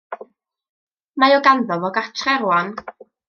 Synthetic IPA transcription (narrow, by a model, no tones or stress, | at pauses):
majɔɡanðɔvɔɡatʰrɛrwan